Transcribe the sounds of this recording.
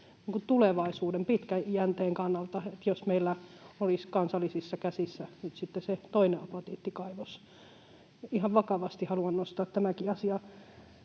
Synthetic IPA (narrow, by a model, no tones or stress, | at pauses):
niŋkut̪uleʋɑisuːdempit̪kæjænt̪eːŋkɑnːɑlt̪ɑet̪josmeilːæoliskɑnsɑlːisisːɑkæsisːænyt̪sit̪ːeset̪oineɑpɑt̪iːt̪ːikɑiʋos | ihɑʋʋɑkɑʋɑst̪ihɑluɑnnost̪ɑːt̪t̪æmækiɑsiɑ